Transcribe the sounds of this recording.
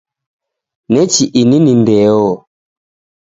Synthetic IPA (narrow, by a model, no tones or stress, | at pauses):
nɛt͡ʃiʔininindɛɔ